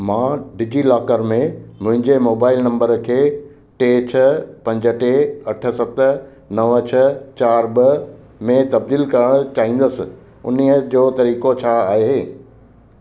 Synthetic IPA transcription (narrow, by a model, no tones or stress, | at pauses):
mãːɖid͡ʑilaːkəɾmẽmʊ̃ɦɪ̃ɲd͡ʑemoːbaːɪlnɐ̃mbəɾkʰeː | ʈeːt͡ɕʰɐpɐ̃ɲd͡ʑə̆ʈeɐʈʰə̆sɐt̪̆ | nɐʋət͡ɕʰɐt͡ɕaːɾbə | mẽt̪ɐb̚d̪iːlkɐɾəɽ̃ʊt͡ɕaːĩːn̆d̪əsɪ̆ | ʊ̰niəd͡ʑoːt̪ɐɾiːkot͡ɕʰaaːɦeː